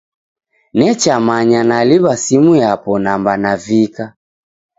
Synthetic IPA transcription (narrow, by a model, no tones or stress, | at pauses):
nɛt͡ʃamaɲanaliβasimujapɔnambanavika